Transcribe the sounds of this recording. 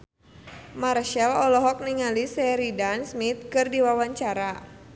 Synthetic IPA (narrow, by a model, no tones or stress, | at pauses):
marʃalɔlɔɦɔk̚niŋalisɛɾidansmit̪̚kɨrdiwawaɲt͡ʃaɾa